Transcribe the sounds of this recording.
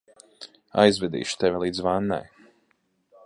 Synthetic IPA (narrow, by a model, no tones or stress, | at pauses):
a̰jzvɛd̪ḭːʃu̥t̪ɛvʲilˠiːd̪zvanːɛ̰j